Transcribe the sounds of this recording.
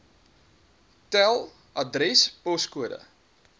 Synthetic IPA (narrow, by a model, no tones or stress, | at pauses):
tɛlˠ | ɐdrɛspɔskuədə̰